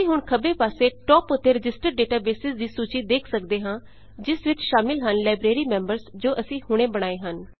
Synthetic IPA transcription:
ĩːɦʊɳkʰəbeːpaːseːʈɔːpʊt̪ːeːɾɪd͡ʒɪsʈəɾɖeːʈaːbeːsɪsd̪iːsuːt͡ʃiːd̪eːkʰsəkd̪eːɦãː | d͡ʒɪsʋɪt͡ʃʃaːmɪlɦənlaːɪbɾeːɾiːmɛ̃ːmbəɾsd͡ʒoːʔəsĩːhʊɽ̃ẽːbəɽ̃aːeːɦən

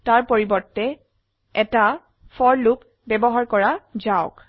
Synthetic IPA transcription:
taɹpoɹibɔɹtːɛ | ɛta | fʰɔɹlup | bɛbɔɦaɹkɔɹazaʊk

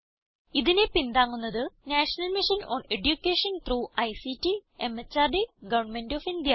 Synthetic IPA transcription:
iðinepind̪aːŋːunːɐðɨnaːʂɐnɐlmiʂɐnoːneɖjukʲːeːʂɐnt̪ruːɐjsitːiemet͡ɕːaːrɖiɡɐʋɐnmendofind̪jɐ

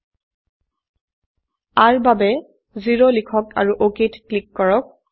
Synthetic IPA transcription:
aɹbabɛ | ziɹolikʰɔka̰ɹuʔokitklikːɔɹɔk̚

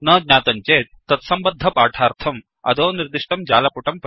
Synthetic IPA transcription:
nɐːd̪nʲaːt̪ɐɲt͡ʃeːt̪̚ːɐt̪sɐmbɐd̪ʱːɐpaːʈʰaːɾt̪ʰɐm | ɐ̰d̪oːniɾd̪iʂʈɐmd͡ʒaːlɐpuʈɐmp

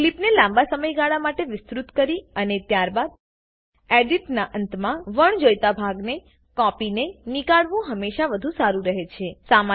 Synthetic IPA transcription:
klipnelãmbasəməjɡaɭamaʈeʋɪst̪ɾut̪kəɾiənet̪jaɾbad̪̚ | eɖiʈnaʔənt̪mãʋəɳd͡ʒojt̪abʱaɡne | kɔpinenikaɭʋũɦəmːeʃaʋəd̪ʱũsaɾũɾəɦet͡ʃʰesama

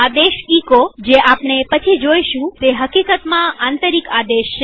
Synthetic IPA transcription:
ad̪eʃikod͡ʒeʔapɳepət͡ʃʰid͡ʒojʃũt̪eɦəkikət̪mãʔant̪əɾikad̪eʃt͡ʃʰe

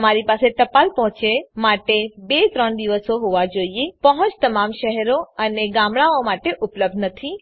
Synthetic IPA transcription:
əmaɾipaseʈ̪əpalpɔɦɔ̃t͡ʃemaʈebet̪ɾəɳd̪iʋəsoɦoʋad͡ʒoiepəɦɔ̃t͡ʃt̪əmamʃəɦɛɾoəneɡãmɽ̃aomaʈeʔʊpləb̚d̪nət̪ʰi

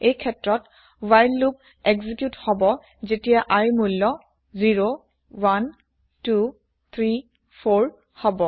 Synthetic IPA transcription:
ejkʰɛtɹɔt | wajlːup̚ | ɛɡzikjuthɔbɔ | zetijaʔaɹimulːɔ | ziɹo | wan | tu | t̪ʰɹi | pʰoɹ | hɔbɔ

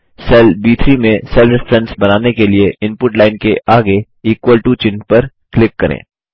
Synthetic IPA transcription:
sɛːlbiːt̪ʰɾimẽsɛːlɾɪfɾɛ̃nɖsbɐnaːnekelieɪ̃npʊʈlaːɪnkeʔaːɡe | iːkwəlʈut͡ʃɪnpɐɾ | klɪkːɐɾʔḛ̃ː

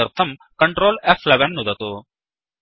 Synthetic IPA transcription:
ɐɾt̪ʰɐmkɐɳʈɾoːlefʰleʋɐnːud̪ɐt̪u

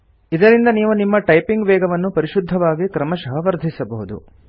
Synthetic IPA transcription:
id̪ɐɾind̪ɐniːʋunimːɐʈɐjpiŋɡʋɛːɡɐʋɐnːupɐɾiʃud̪ʱːɐʋaːɡikɾɐmɐʃɐɦɐʋɐɾd̪ʱisɐbɐɦud̪ṵ

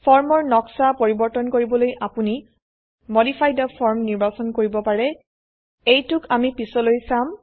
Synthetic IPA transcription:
pʰɔɹmɔɹnɔksapoɹibɔɹtɔnkoɹibɔlojʔapuni | modipʰajdɔpʰɔɹmniɹbasɔnkoɹibɔpaɹɛ | ejtʊkamipisɔlojsam

